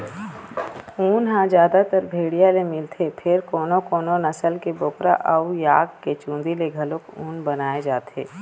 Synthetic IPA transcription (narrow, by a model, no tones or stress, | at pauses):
ũːnɦãd͡ʒjaːd̪at̪əɾbʱeːɽijalemɪlt̪ʰepʰɪɾkoːnokoːnonɐsəlkeboːkɾa̰ʔɐujaːɡket͡ʃũːnd̪ileɡʱɐlokũːnbənaːed͡ʒaːt̪ḛː